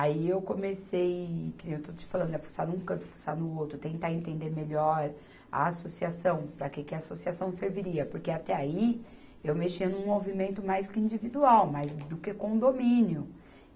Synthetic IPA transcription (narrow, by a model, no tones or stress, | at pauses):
aiewkomesejkɪ̃ewt̪oʊt͡ʃɪ̥falɐ̃nd̪ʊɛfu̥sanũkɐ̃p̪ʊ̥fu̥sanʊowt̪ɾʊt̪ẽnt̪aẽnt̪ẽnd̪eɾmeʎɔɾ | a̰asosiasɐ̃w̃pɾɐkekɪɐːsosiasɐ̃w̃seɾviɾiɐpoɾkeat̪ɛai | ewmeʃiɐnũmovimẽnt̪ʊmajskɪĩnd͡ʒivid̪uawmajzd̪ʊkekõd̪omĩnjʊ